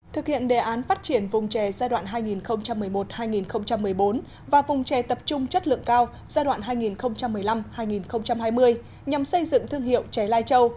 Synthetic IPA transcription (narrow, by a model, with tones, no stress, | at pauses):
t̪ʰɨ˨˩k̚hḭ˧˨ənɗe˨˩ʔaː˨˦nfaː˦˥t̚t͡ɕi˧˩ənvʊ˨˩ŋ͡mt͡ɕɛ˨˩zaː˧jɗwa̰ː˧˨nɦaː˧jŋi˨˩nxə˧wŋ͡mt͡ɕa˧mːɨ˨˩əjmo˨˩t̚haː˧jŋi˨˩nxə˧wŋ͡mt͡ɕa˧mːɨ˨˩əjɓo˨˦n | vaː˨˩vʊ˨˩wŋ͡mt͡ɕɛ˨˩t̪ə˨˩p̚t͡ɕʊ˧ŋ͡mt͡ɕə˦˥t̚lɨ̰˧˨əŋkaː˧w | z̥aː˧jɗwa̰ː˧˨nɦaː˧jŋi˨˩nxə˧wŋ͡mt͡ɕa˧mːɨ˨˩əjla˧mhaː˧jŋi˨˩nxə˧wŋ͡mt͡ɕa˧mɦaː˧jmɨ˧əj | ɲa˨˩msə˧jzɨ̰˧˨ŋt̪ʰɨ˧əŋhḭ˧˨ə˨wt͡ɕɛ˨˩laː˧jt͡ɕə˧w